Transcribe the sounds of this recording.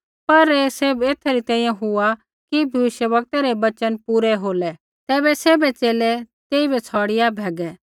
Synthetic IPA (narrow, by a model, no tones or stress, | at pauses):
pɐɾeːseːbeːt̪ʰaɾit̪ɛ̃ːĩjãɦʊa | kibʱɐʋɪʃjəʋɐk̚t̪aɾɛbɐt͡ʃənpuːɾɛɦoːlɛ | t̪ɛːbɛseːbɛt͡seːlɛt̪eːibɛt͡sʰɔːɽɪjabʱɛːɡɛː